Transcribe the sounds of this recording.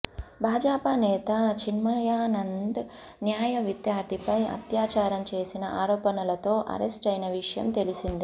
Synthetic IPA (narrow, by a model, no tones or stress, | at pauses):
bʱaːd͡ʒaːpɐnɛːt̪ɐt͡ʃʰinmɐjaːnɐnd̪ | njaːjɐʋid̪jaːɾd̪ʱipɐjɐ̰t̪jaːt͡ʃaːɾɐmt͡ʃe̞ːsinɐʔaːɾɔːpɐnɐlɐt̪o̞ːʔɐ̰ɾesʈɐjnɐʋiʂɐjɐ̰mt̪e̞lisind̪i